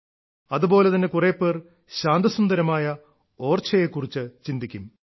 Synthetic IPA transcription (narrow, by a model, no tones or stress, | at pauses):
ɐðubo̞ːle̞t̪ɐnːe̞kureːpːeːr | ɕaːnd̪ɐsund̪ɐɾɐmaːjɐ | oːrt͡ɕʰːɐjeːkːurit͡ɕːɨt͡ɕind̪ikʲːum